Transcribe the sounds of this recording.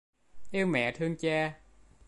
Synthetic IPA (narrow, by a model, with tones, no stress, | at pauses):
ʔi˧əwmɛ̰˧˨t̪ʰɨ˧əŋt͡ɕaː˧